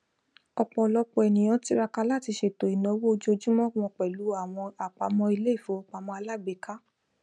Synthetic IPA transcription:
ɔ˨k͡pɔ˨lɔ˧k͡pɔ˨ɛ˨nĩ˨j̃ɔ̃˨˦ti˦ɾa˧ka˧la˦˨ti˧ʃe˧˨to˨i˨nɔ̃˨˦wo˦o˧d͡ʒo˧d͡ʒĩ˦mɔ̃˦ɔ̃˧˨k͡pɛ˨lu˨˦a˨w̃ɔ̃˧a˨k͡pa˧mɔ̃˧i˧le˦i˦˨fo˨˦ɔ˧k͡pa˨mɔ̃˧a˧la˦˨be˨ka˦

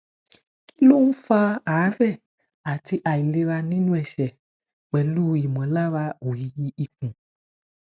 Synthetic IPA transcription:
ki˦lo˦nũ˦fa˦aː˨˦vɛ˦˨ | a˨ti˧ʔa˨i˨le˧ɾa˧nĩ˦nũ˦ɛ˨ʃɛ˨ | k͡pɛ˨lu˦i˨mɔ̃˨˦la˦ɾa˧o˨ji˨˧ji˦ʔi˧k̚ũ˨

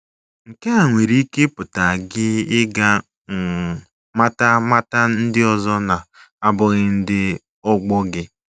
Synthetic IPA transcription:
ŋ̩˨ke˦a˨ŋʷe˨ɾi˦i˦ke˦pʊ˨ta˨ɡɪ˦ɪ˦ɡa˦˨ | ma˦ta˦ma˦ta˦n̩˦dɪ˦ɔ˨zɔ˦na˨ | a˦bʊ˦ɣɪ˦n̩˦dɪ˦ | ɔ˦ɡ͡bɔ˦ɡɪ˦

